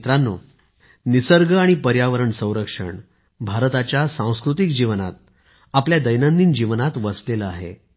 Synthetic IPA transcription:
t̪ɾanːo̰ | nisəɾɡəaɽ̃ipəɾjaʋəɾəɳsə̃w̃ɾəkʂə̰ɳ | bʱaɾt̪at͡ɕjasãw̃skɾut̪ikd͡ʑiʋna̰t̪̚ | apljad̪əjnənd̪ind͡ʑiʋnat̪ʋəsleləaɦḛ

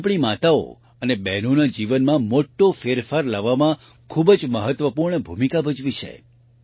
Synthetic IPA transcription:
pɽ̃imat̪ao̰ | ənebɛnonad͡ʒiʋənmãmoʈːofeɾfaɾləʋamã | kʰubd͡ʒməɦət̪ʋəpuɾɳəbʱumikabʱəd͡ʒʋit͡ʃʰḛ

